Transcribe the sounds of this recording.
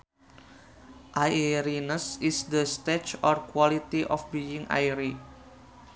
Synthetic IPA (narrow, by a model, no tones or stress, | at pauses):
ʔaɾinəsisdəst̪et͡ʃɔrkwalit̪iʔɔfbiiŋʔa̰jɾi